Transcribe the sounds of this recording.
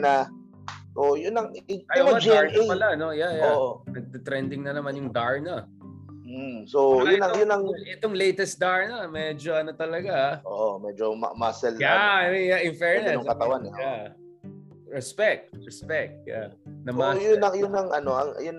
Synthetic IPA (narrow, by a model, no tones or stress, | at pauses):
na | ʔojʊnɐŋɐjoɐdaɹnɐpɐlaɐno̞jajaoʔonɐɡ̚t̪ɪt̪ɾɛnd̪ɪŋnɐnɐmanjʊŋd̪aɹnɐ | soʊɐjʊnːɐŋʔɛt̪oŋlejt̪ɛst̪̚d̪aɹnɐmɛd͡ʒoɐnot̪ɐlɐɡaʔoʔomɛd͡ʒomɐ̰masɛljajaʔɪɱfɛɹnɐokɐt̪ɐwanɐa | ɹɛspɛk̚t̪̚ɹɛspɛk̚t̪̚ja̰nɐmajʊnːɐŋjʊnːɐŋʔɐnoʔɐ̰ŋjʊn